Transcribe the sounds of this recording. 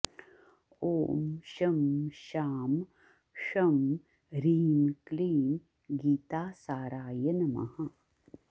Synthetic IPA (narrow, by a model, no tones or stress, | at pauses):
oːmʃɐmʃaːm | ʂɐm | ɾiːnkliːn | ɡiːt̪aːsaːɾaːjɐnɐmɐ̰hɐ